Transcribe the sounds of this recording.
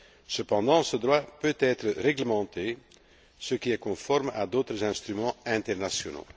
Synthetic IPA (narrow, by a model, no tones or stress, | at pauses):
səpɑ̃d̪ɑ̃səd̪ʁwapøt̪ɛːt̪χəʁɛɡləmɑ̃t̪e | səkiɛkɔ̃fɔʁmad̪oːt̪χəzɛ̃st̪χymɑ̃ɛ̃t̪ɛʁnasjɔno̰